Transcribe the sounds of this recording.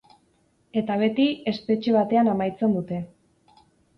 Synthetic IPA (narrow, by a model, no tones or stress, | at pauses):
e̞t̪aβ̞e̞t̪ie̞spe̞t͡ʃeβ̞at̪e̞anamajt͡se̞nd̪ut̪e̞